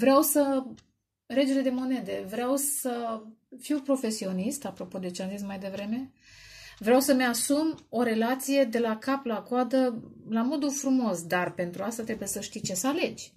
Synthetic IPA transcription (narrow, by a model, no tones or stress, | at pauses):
vɾeawsə | ɾe̞d͡ʒele̞d̪e̞mo̞ne̞d̪e̞vɾeawsə | fiwpɾo̞fe̞sio̞nist̪apɾo̞po̞d̪e̞t͡ʃeamzismajd̪e̞vɾe̞me̞ | vɾeawsəmeasumo̞ɾe̞lat̪sije̞d̪e̞lakaplakoad̪əlamo̞d̪ufɾumo̞sd̪arpe̞nt̪ɾuast̪at̪ɾe̞buje̞səʃt̪ijt͡ʃe̞səale̞d͡ʒʲ